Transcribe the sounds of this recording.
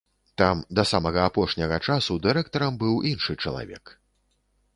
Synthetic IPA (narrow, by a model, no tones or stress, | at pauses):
t̪amd̪ɐsamɐɣɐapɔʂnʲɐɣɐt͡ʂasud̪ɨɾɛk̚t̪ɐɾɐmbɨwʔinʂɨt͡ʂɐlˠa̰vʲɛ̰k